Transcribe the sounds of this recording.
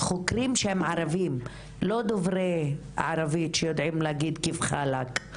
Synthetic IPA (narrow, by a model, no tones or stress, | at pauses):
χokɾimʃehemʕaɾavim | lod̪ovɾej | a̰ʕaɾavit̪ʃejod̪ʕimleaɡid̪kivχalak